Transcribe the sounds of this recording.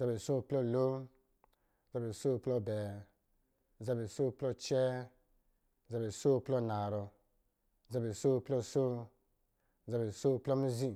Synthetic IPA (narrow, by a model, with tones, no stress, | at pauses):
za˨˧be˨so˦˨plɔ˦˨lo˦˨ | za˧be˨so˦˨plɔ˧˨bɛ˨ | za˧be˨so˦˨plɔ˧t͡ʃɛ˦˨ | za˧be˨so˦˨plɔ˦˨na˨ɾɔ˧˨ | za˧be˨so˦˨plɔ˦so˦˨ | za˧be˨so˦˨plɔ˦mi˦zi˦